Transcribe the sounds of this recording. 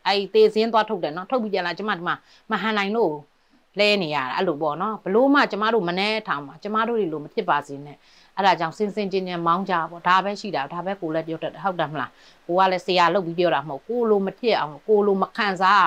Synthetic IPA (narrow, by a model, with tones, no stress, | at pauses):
ʔɛ˦˨i˨t̪e˨zɪ̃˦nt̪wa˦tʰo˦ʊtɛ˨nɔ˨˦tʰo˦ʊpːi˦pjã˨la˦˨t͡ɕə˦ma̰˦˨di˨ma˦˨ | məɦã˨nã˨ɪ̃ndo̰˦˨o˨ | lɛ˦ne˨ja̰˦˨ɾa̰˨ʔɛ̰˦lo˨pɔ̰˦˨nɔ˦bə˨lo˨ma̰˦˨t͡ɕə˦ma̰˦˨ɾo̰˦˨mənɛ˦ə˦tʰã˨ʊ̃ma˨t͡ɕə˦ma̰˦˨ɾo̰˦˨di˨lo˨mə˨pʰjɪ˦pːa˨zɪ̃˨nɛ̰˦˨ | ʔɛ̰˦ɾa˨d͡ʑã˦˨sɪ̃˨nsɪ̃˨ɲt͡ɕɪ̃˨d͡ʑã˨mã˦ʊ̃ɲd͡ʑa˦˨pɔ̰˦˨da˨bɛ˦ʃḭ˦˨da˨da˨bɛ˦ko˨lɛ˦pjɔ˦da˦tːɛ˨ɦo˦ʊta˨mə˨la˦ | ko˨ɣa˦˨lɛ˦se˨ja˨lo˦pːi˦p̬jɔ˦ɾa˨m̥o˦˨ʔko˨lo˨mə˨pʰjɪ˦ʔã˨ʊ̃˨ko˨lo˨mə˨kʰã˨nza˦ʔ